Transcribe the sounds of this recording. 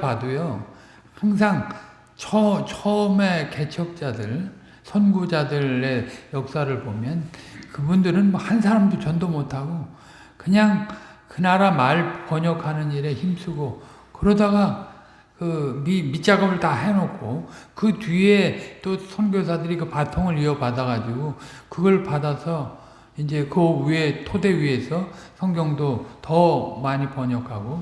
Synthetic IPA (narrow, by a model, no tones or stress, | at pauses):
padujo | haŋs̬ʰaŋ | t͡ɕʰʌt͡ɕʰʌme̞ke̞t͡ɕʰʌk̚t͡ɕ͈adɯɭ | sʰʌnɡud͡ʑadɯe̞jʌk̚s͈aɾɯɭpomjʌnkɯbundɯɾɯnmʌhans̬ʰaɾamdot͡ɕʌndomotʰaɡo | kɯɲaŋ | kɯnaɾamaɭkwʌɲʌkʰanɯniɾe̞çimsʰuɡo | kɯɾʌdaɡa | kɯmimit͡ɕ͈aɡʌbɯɭtaɦe̞nok͈ʰokɯtie̞t͈osʰʌnɡjos̬ʰadɯɾikɯpatʰoŋɯɾiʌbadaɡad͡ʑiɡokɯɡʌɭpadasʰʌ | ind͡ʑe̞kɯɥietʰode̞wɥie̞sʰʌsʰʌŋɡjʌŋdotʌmaɲipʌɲʌkʰaɡo